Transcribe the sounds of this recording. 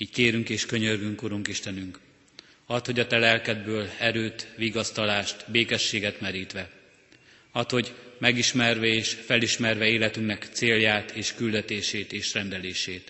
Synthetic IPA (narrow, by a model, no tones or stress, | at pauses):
iːckeːɾyŋkeːʃkø̞ɲørɡyŋkuɾuŋkiʃt̪ɛnyŋk | ɒt̪ho̞ɟɒt̪ɛlɛlkɛd̪bøːlɛɾøːt̪ʋiːɡɒst̪ɒlaːʃt̪beːkɛʃːeːɡɛt̪mɛɾiːt̪ʋɛ | ɒt̪ho̞ɟmɛɡiʃmɛrvɛeːʃfɛliʃmɛrvɛeːlɛt̪yŋknɛkt̪seːljaːt̪ʰeːʃkyld̪ɛt̪eːʃeːt̪eːʃrɛnd̪ɛleːʃeːt̪